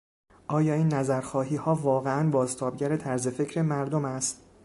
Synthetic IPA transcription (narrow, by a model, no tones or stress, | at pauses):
ʔɒːjɒːiːnːæzæɾxɒːɦiːhɒːvɒːɣeænbɒːzt̪ʰɒːb̚ɟæɾe̞t̪ʰæɾze̞fe̞cʰɾemæɾd̪omæst̪